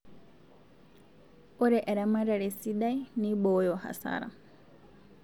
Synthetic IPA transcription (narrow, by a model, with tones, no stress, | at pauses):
ɔ˦ɾɛ˨ʔɛ˨ɾama˦ɾɛ˨ɾe˨siɗa˦i˦niɓɔjɔha̰˨sa̰ɾa̰